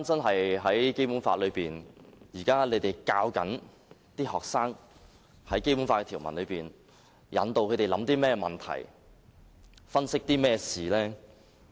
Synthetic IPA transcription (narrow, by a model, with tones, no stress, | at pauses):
nt͡sɐ˥nɦɐ˨jɦɐ˨˥jke˥jpuː˨˥nfaː˧t̚lɵ˨˧ɥpiː˨njiː˨˩kaː˥le˨˧jt̪e˨jkaː˧wkɐ̰˨˥n | t̪iː˥hɔː˨˩k̚saː˥ŋ | hɐ˨˥jke˥jpu˨˥nfaː˧t̚kɛ˧t̪ʰiː˨˩wmɐ̰˨˩nlɵ˨˧ɥpiː˨n | jɐ̰˨˧nt̪o˧wkʰɵ˨˧t̪e˨˩lɐ˨˥mt̪iː˥mɛː˥ɛ˧mɐ˨˩nt̪ʰɐ̰˨˩j | fɐ˥nsɪ˥k̚t̪iː˥mɛː˥siː˨˩lɛː˥